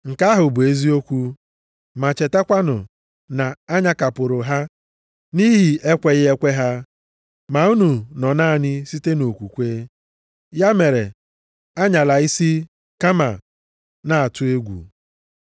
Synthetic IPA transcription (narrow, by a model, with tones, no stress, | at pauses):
ŋ̩˨ka˦ɦʊ˨bʊ˨e˦zi˦o˦kʷu˦ | ma˨t͡ʃe˨ta˦kʷa˦nʊ̰˨ | na˨a˦ɲa˦ka˨pʊ˨ɾʊ˨ɦa˦ | ni˦ɦi˨ʔe˦kʷe˦ɣɪ˦e˦kʷe˦ɦa˦ | ma˨u˦nu˨nɔ˨na˦˨ɲɪ˦si˦te˦no˨kʷu˨kʷe˦ | ja˦me˨ɾe˨ | a˦ɲa˨la˨i˦si˦ | ka˦ma̰˨ | na˨a˨tʊ˦e˦ɡʷṵ˨